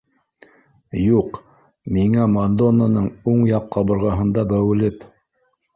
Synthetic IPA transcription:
juq | miŋæmand̪onːanɤɴuɴjɑqːɑbɤ̆ɾʁɑɦɤ̆nd̪ɑbæwɘ̆lɘp

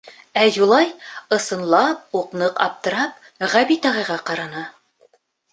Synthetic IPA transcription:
æjulˠɑjɤ̆sɤ̆nlˠɑp̚uqnɤqɑ̰p̚t̪ɤ̆ɾɑp̚ | ʁæβit̪ɑʁɑjʁɑqɑɾɑnɑ

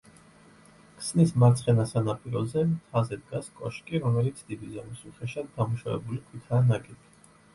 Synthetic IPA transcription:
kʰʼsnismaɾt̪sʰχɛnasanapʼiɾɔzɛmt̪ʰazɛd̪ɡaskʼɔʃkʼiɾɔmɛlit̪sʰd̪̥id̪izamisuχɛʃad̪d̪amuʃavɛ̰bulikʰwit̪ʰanaɡʼɛt̪ʰi̥

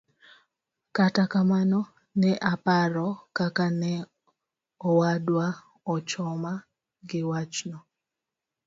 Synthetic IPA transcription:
katakamanɔ | nɛʔapaɾɔkakanɛ | ɔwadwa | ɔt͡ʃɔma | ɡɪwat͡ʃnɔ

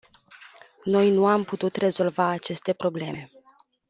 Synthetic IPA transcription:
no̞jnuamput̪ut̪re̞zo̞lvaːt͡ʃe̞st̪e̞pɾo̞ble̞̰me̞

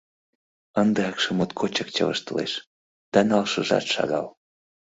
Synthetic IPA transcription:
ənd̪ɤɑkʃə̆mot̪kʰot͡ɕək̚t͡ɕə̰̆və̰ʃt̪əlḛʃ | d̪̥ɑnɑlʃə̆ʒɑ̰t̪ʃɑ̰ɣɑl

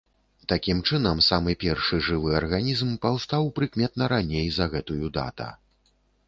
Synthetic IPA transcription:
t̪akʲimt͡ʂɨnɐmsamɨpʲɛrʂɨʐɨvɨɐrɣanʲizmpawst̪awpɾɨkmʲɛt̪nɐɾanʲejzɐɣɛt̪ujud̪a̰t̪ɐ̰

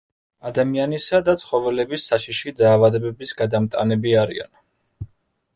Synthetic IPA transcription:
ad̪amianisad̪at̪sʰχɔvɛlɛbisːaʃiʃid̪aːvad̪ɛbɛbisɡad̪amt̪ʼa̰nɛbiaɾḭa̰n

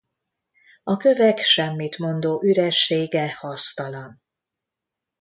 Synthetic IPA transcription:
ɒkø̞vɛkʃɛmːit̪mo̞nd̪oːʔyɾɛʃːeːɡɛhɒst̪ɒlɒn

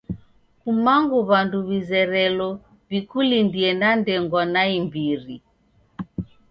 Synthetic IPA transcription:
kumaŋɡuβanduβizɛɾɛlɔ | βikulindiɛnandɛŋɡwɔnaimbiɾi

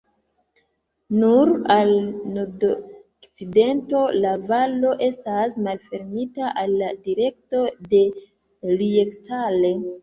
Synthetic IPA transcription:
nuɾalnodo | kt͡side̞nto̞lavalo̞ʔe̞stasmalfe̞ɾmitaʔalːadiɾe̞k̚to̞de̞ | liekstale̞

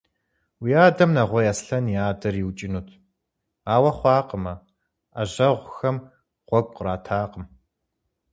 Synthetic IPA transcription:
wijaːdɐmnɐʁʷɔjasɬɐniaːdɐriwt͡ʃʼɪnuːtʰ | aːwɐχʷɑːqəmɐ | aʑɐʁʷʊxɐm | ʁ̥ʷɔɡʷʼqraːtʰaːqəm

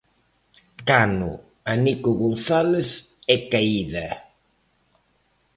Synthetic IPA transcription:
kanʊ̰ | anikʊɣonθales | ɛkaiðɐ

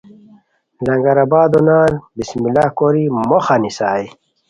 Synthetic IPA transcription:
lɐŋɡɐɾabaːd̪onaːlbismilaːkoɾimoxanisaːj

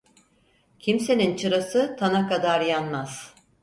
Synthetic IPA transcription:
cʰimse̞nint͡ʃʰɯɾasɯt̪ʰanakad̪aɾjanmaz̥

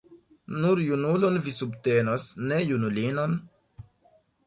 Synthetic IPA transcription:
nuɾjunulonvisubte̞nosne̞junulinon

